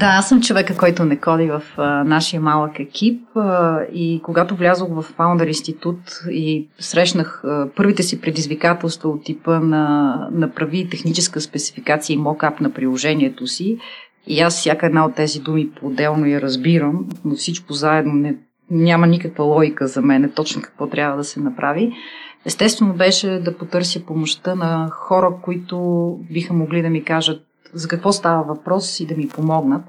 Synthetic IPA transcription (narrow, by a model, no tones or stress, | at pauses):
d̪aasəmt͡ʃovɛkəkɔjt̪ʊnɛkɔd̪ivɐfnaʃijəmalˠəkɛkʰip̚ikoɡat̪ovlʲazəxvɐfːawnd̪ɛɾĩnst̪it̪ut̪isɾɛʃnəxpɤɾvit̪ɛsipɾɛd̪izvikat̪ɛlˠst̪vəot̪ːipənɐnɐpɾɐviːt̪ɛxnit͡ʃɛskəspɛt̪si̥fikat̪sijəimɔkapnɐpɾilˠoʒɛniɛt̪osi | iasfsʲjakəɛd̪naot̪ːɛzid̪umipoːd̪ɛlˠnojɐɾɐzbiɾəmnofsit͡ʃkozaɛd̪nonɛ | nʲjamənikəkvəlˠɔɡʲikəzɐmɛnɛt̪ɔt͡ʃnokə̥kvɔt̪ɾʲjabvəd̪ɐsɛnɐpɾʔaviɛst̪ɛst̪vɛnobɛʃɛd̪ɐpot̪ɤɾsjəpomoʃt̪ənɐxɔɾəkoit̪obixəmoɡlid̪ɐmikaʒət̪̚ | zɐkɐkvɔst̪avəvɐpɾɔsid̪ɐmipomɔɡnət̪̚